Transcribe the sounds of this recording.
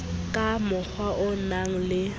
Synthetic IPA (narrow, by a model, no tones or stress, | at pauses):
kʼamʊk͡xʰwaʔʊnaŋ̩lɪ